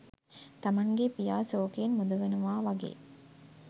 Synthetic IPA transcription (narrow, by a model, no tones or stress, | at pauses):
t̪amaŋɡepijaːsoːkeenmud̪ɐʋenuʋaːʋaɡḛː